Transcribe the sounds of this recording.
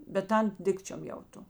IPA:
bʲɛt ˈtɐn ˈdʲɪkt͡ʃʲoːm jɛʊˈtoː

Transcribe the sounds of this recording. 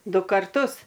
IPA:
ˈdʊ kɐrˈtʊs

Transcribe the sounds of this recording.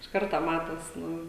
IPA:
ɪʃ ˈkɐrtoː ˈmɑːtoːs ˈnʊ

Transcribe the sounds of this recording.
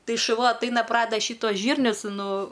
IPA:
ˈtɐɪ ʃʊˈʋɐ ɐtˈɐɪnɐ ˈprɑːdʲɛdɐ ˈʃʲiːtuɔs ˈʒʲiːrʲnʲʊs ˈnʊ

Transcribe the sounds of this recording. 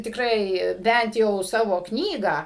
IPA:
tʲɪkˈrɐɪ ˈbʲænt jɛʊ ˈsɑːʋoː ˈknʲiːɡɑː

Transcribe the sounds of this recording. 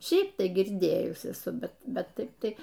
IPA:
ˈʃʲɛɪp ˈtɐɪ ɡʲɪrʲˈdʲeːjʊs ɛˈsʊ ˈbʲɛt ˈbʲɛt ˈtɐɪp ˈtɐɪ

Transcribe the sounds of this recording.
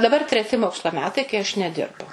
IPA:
dɐˈbɐr tʲrʲɛˈtʲɪ ˈmoːkslˠoː ˈmʲæːtɐɪ kɐɪ ɐʃ nʲɛˈdʲɪrbʊ

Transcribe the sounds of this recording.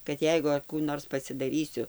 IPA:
kɐt ˈjɛɪɡʊ ɐr ˈkuː ˈnoːrs pɐsʲɪdɐˈrʲiːsʲʊ

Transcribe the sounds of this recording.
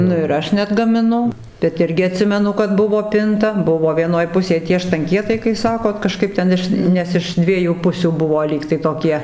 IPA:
ˈnʊ ɪr ˈɐʃ nʲɛɐdɡɐmʲɪˈnʊ bʲɛt ˈɪrʲɡʲɪ ɐˈtʲsʲɪmʲɛnʊ kɐt ˈbʊʋoː ˈpʲɪntɐ ˈbʊʋoː ʋʲiɛˈnoːj ˈpʊsʲeːj tʲiɛ ʃtɐŋʲˈkʲiɛtɐɪ kɐɪ ˈsɑːkoːt kɐˈʃkɐɪp tʲɛn ˈɪʃ ˈnʲɛs ɪʃ ˈdʲʋʲiɛjuː ˈpʊsʲuː ˈbʊʋoː ˈlʲiːktɐɪ toːˈkʲiɛ

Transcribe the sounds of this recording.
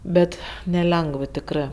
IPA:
ˈbʲɛt nʲɛˈlʲɛŋɡʋ tʲɪkˈrɜ

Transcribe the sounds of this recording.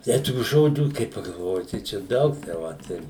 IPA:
ˈtʲɛɪ tuː ˈʒoːd͡ʒʲuː kɐɪ pɐɡɐlˠˈʋoːjɪ tɐɪ ˈt͡ʃʲɛ ˈdɐʊk tɐɪ ˈʋɐt ɪr

